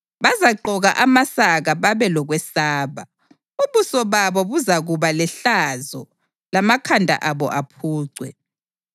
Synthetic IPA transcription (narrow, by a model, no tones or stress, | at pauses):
βazaǃɔɣaʔamasaɣaβaβɛlɔɣwɛsaːβa̰ | uβusɔβaβɔβuzaɣuβalɛɬazɔ | lamakʰandʱa̰ʔaβɔ̰ʔapʰuːǀʱwɛ